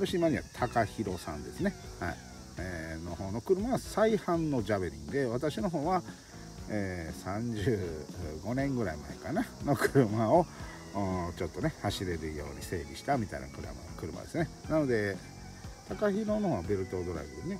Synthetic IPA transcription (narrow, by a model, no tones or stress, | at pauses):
t̪oɕiimaɲiβa̰t̪ʰakaçiɾo̞sã̰nd̪e̞sɨne̞ha̰i | eːno̞ho̞ːno̞kɯ̟ɾɯ̟maβasaihãnːo̞d͡ʑaβɯɾʲḭ̃ŋd̪e̞βat̪aɕino̞ɦo̞ːβa | eːsãɲ̟d͡ʑɨːɡo̞nẽ̞ŋɡɯ̟ɾaima̰ḛkanano̞kɯ̟ɾɯ̟mao̞ | t͡ɕo̞t̪ːo̞nehaɕiɾe̞ɾɯjo̞̰ːɲ̟ise̞̰ːbʲiɕi̥t̪amʲit̪a̰ḭna̰kɯ̟ɾa̰ma̰kɯ̟ɾɯ̟ma̰d̪e̞sɨne̞nano̞d̪e̞ | t̪ʰakaçiɾo̞nohoːβabe̞ɾɯ̟t̪o̞d̪o̞ɾa̰ɡɯdene